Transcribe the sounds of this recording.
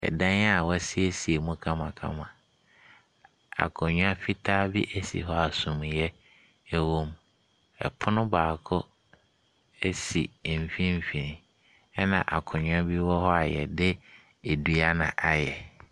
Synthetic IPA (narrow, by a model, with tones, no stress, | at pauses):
ɛ̰˨dã˦n˦a˦˨wɔ˦si˦e˦si˨e˨mũ˦kʰã˦mã˨kʰã̰˦mã˨ | a̰˨kʰɔ˨ɲʊ̃˦a˦fi˦tʰaː˦bi˦ʔæ˦sḭ˨ɦɔ˦a˨sũ˨m˨jɛ˦ | æ˦wõ˦m | ɛ̰˨pʰʊ˦nʊ̃˦baː˨kʰɔ˦ | e˦sḭ˨m̩˨fĩ˦m˦˨fĩ˨nĩ˨ | ɛ˦nã̰˨ʔa˨kʰɔ̃˨ɲʊ̃˦a˦bi˦wɔ˦hɔ˦a˨jɛ̰˨dɪ˦ | e˨du˨a˦nã̰˨ʔa˨jɛ˨